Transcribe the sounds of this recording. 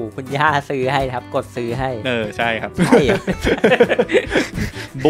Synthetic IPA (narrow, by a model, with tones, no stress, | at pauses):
kʰu˧njaː˥˩sɯː˦˥ha˥˩jkʰa˦˥p̚ko˨˩t̪̚sɯː˦˥ɦa˥˩jʔɤː˧˩t͡ɕʰa˥˩jkʰa˦˥p̚j | b